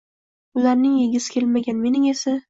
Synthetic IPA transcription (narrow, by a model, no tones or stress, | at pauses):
ʊlaɾnɪŋjeɡʲɪsɪ̥kʲʰe̞lmaɡʲanme̞nɪŋe̞sa